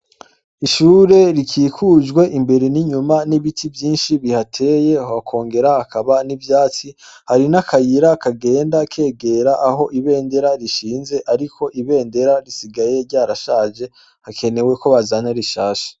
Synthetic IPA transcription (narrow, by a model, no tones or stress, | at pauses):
iʃuːɾe̞ɾikʰiːkʰuʒɡwe̞ʔimbe̞ɾeniɲumaniβitʰivjiːnʃiβihatʰe̞je̞hoakʰo̞ːŋɡe̞ɾahakʰaβanivjaːt͡sihaɾinakʰajiɾakaɡe̞ːndakʰe̞ːɡe̞ɾaʔaɦo̞ʔiβe̞ːnde̞ɾaɾiʃiːnze̞ʔaɾikʰo̞ʔiβe̞ːnde̞ɾaɾisiɡaje̞ɾɟaːɾaʃaːʒe̞ | hakʰe̞ne̞we̞ko̞βazanaɾiʃaːʃḁ